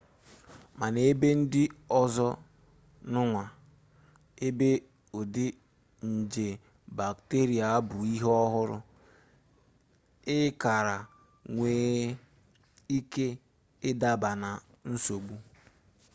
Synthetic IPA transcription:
ma˨ne˦be˦n̩˦dɪ˦ɔ˦zɔ˦ | nʊ˦ŋʷa˨ | e˦be˦ | o˨dɪ˦ | n̩˨d͡ʒe˨ | ba˨kte˦ɾi˨a˨a˦bʊ˨i˦ɦɔ˦ɦʊ˦ɾʊ˦ | ɪ˦ka˨ɾa˨ | ŋʷeː˨˦ | i˦ke˦ | ɪ˦da˦ba˨na˨ | n̩˦so˨ɡ͡bu˦

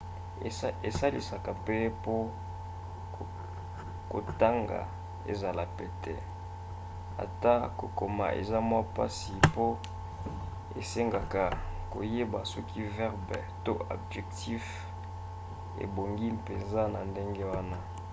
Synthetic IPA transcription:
e˨sa˦lḭ˨sa˨ka˨pɛ˦po˦˨ | ko̰˨ta˦ŋɡa̰˨ | ḛ˨za˨la˨pɛ˦tɛ̰˦ | a̰˨ta˦ko˨ko˨ma̰˨ʔḛ˨za˦mwa˦pa˦si˨po˦ | ḛ˨se˦ŋɡa˨ka˨ko̰˨je˦ba˨sɔ˦kʰi˦vɛ˦ʁbɛ˨to˦a̰˨bʒɛ˨kti˦f | ḛ˨bo˨ŋɡi˦pe˨nza˦na˨nde˦ŋɡe˦wa˦na˦

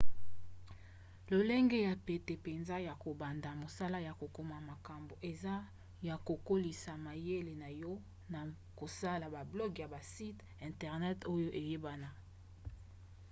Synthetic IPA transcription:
lo˨le˦ŋɡe˦ja˨pe˨te˨pe˨nza˦ja˨ko˨ba˨nda˨mo˨sa˦la˦ja˨ko˨ko˨ma˨ma˨ka˨mbo˨ʔe˨za˦ | ja˨ko˨ko˦li˨sa˨ma˨je˦le˨na˨jɔ˦ | na˨ | ko˨sa˦la˨ba˨blɔ˦ɡja˨ba˨si˦t | ɛ̃˨ntɛ˨ʁnɛ˦to˦jo˦ʔe˨je˦ba˦na˨

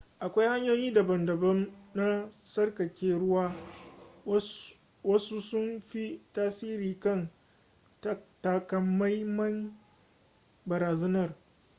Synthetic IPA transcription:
ʔa˨kʷa˦jha˦ɲjoː˦jiː˦da˨bɐ˨ndɐ˨bɐ˦mna˦sɐ˦rkɐ˨kʲeː˦ɾʊ˦waː˦ | wɐ˦su˦sʊ˦nɸi˦taː˦siː˦ɾiː˨kɐ˦˨n | tta˦kɐ˦mːa˦jmɐ˦n | bɐ˨ɾaː˨zɐ˦nɐ˦˨r

